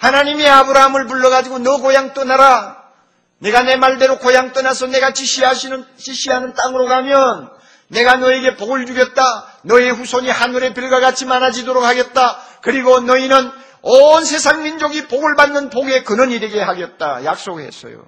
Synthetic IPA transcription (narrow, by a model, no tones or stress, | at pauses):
hanaɲimiabɯɾaɦamɯɭp̬uɭːʌɣad͡ʑiɡonʌkojaŋt͈ʌnaɾa | ne̞ɡane̞maɭde̞ɾokojaŋt͈ʌnasʰʌne̞ɡat͡ɕiɕiaɕʰit͡ɕiɕ͈ʰiɦanɯnt͈aŋɯɾokamjʌnː | e̞ɡanʌe̞ɡe̞poɡɯɭd͡ʑuɡjʌt̚t͈anʌe̞ɸusʰoɲihanuɾe̞pjiɭɡwaɡat͡ɕʰimanad͡ʑidoɾok̚haɡet̚t͈a | kɯɾiɡonʌinɯn | ʌnsʰe̞sʰaŋmind͡ʑoɡipoɡɯɭbanːɯnpoɡe̞kɯnʌniɾe̞ɡe̞haɡet̚t͈a̰ja̰k̚s͈oɡhe̞̰s͈ʰʌ̰jo̰